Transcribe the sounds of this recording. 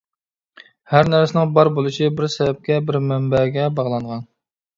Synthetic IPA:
hæɾnæɾsɪnɪŋbɑɾbolˠuʃibɪɾsɛvɛp̚kʲɛbɪɾmɛmbɛɡʲɛbɑʁlˠɑɴʁɑn

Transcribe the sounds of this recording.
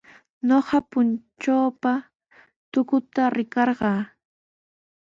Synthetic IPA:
noɢɑpʊnt͡ʃaːpa | t̪ʊkʊt̪aɾɪkɑɾɢɑː

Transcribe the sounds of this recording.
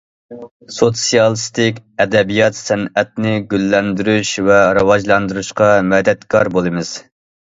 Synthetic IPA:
sot̪sijɑlˠɨst̪ɪkʲɛd̪ɛbijɑt̪sɛnɛt̪̚nɪɡʲylːɛnd̪yɾyʃvɛɾɑwɑʒlˠɑnd̪uɾuʃqɑmɛd̪ɛt̪kʰɑɾbolˠɨmɨz̥

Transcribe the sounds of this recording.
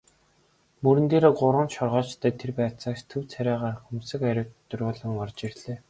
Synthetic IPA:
mɵɾɘ̆nt̪eːɾoːɢʊɾə̆nʃɔrʁɔːt͡ɕt̪ʰœːt̪ʰerpæːt͡saːkst̪ʰɵwt͡sʰæɾʲæːʁaːrxumuːsɘ̆kæɾʲʊ̆wtt̪ːɵrʲʊːɮɞ̆ŋɔrt͡ɕirɮeː

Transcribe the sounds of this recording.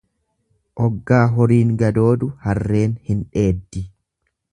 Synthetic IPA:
ʔɔɡːaːɦɔɾiːŋɡɐd̪o̞ːd̪ʊhɐrːe̞ːnhɪnᶑe̞ːd̪ːɪ

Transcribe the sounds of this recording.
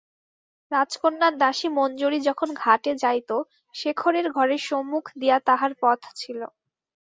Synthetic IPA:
ɾad͡ʑkonːaɾd̪aʃimɔnd͡ʑoɾid͡ʑɔkʰonɡʱaʈed͡ʑajt̪o | ʃekʰoɾeɾɡʱɔɾeʃomːukʰd̪ijat̪aɦaɾpɔt̪ʰt͡ɕʰilo

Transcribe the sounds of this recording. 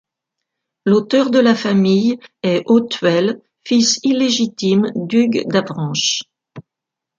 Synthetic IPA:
lot̪œʁd̪əlafamijɛʔot̪ɥɛl | fisileʒit̪imd̪yɡd̪avʁɑ̃ʃ

